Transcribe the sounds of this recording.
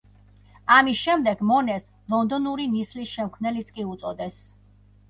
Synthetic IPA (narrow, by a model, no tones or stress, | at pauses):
amisʃɛmd̪ɛɡmɔnɛs | lˠɔnd̪ɔnuɾinislisʃɛmkʰvnɛlit̪sʼkʼiut̪sʼɔd̪ɛs